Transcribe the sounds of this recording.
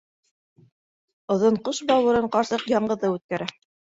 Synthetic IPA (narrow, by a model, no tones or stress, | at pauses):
ŏðɤɴqɤʃbɑwɤ̆ɾɤɴqɑɾsɤqjɑɴɢɤ̆ðɤʉt̪̚kæɾæ